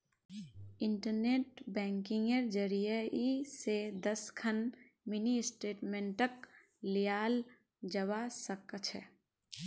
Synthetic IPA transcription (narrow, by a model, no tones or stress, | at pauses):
ɪɳʈəɾneːʈbɛ̃ːŋkɪ̃ŋɡəɾd͡ʒəɾijəised̪əskʰən | mɪniɪsʈeːʈmẽɳʈək | lijaːl | d͡ʒəʋasəkət͡ʃʰɛ̰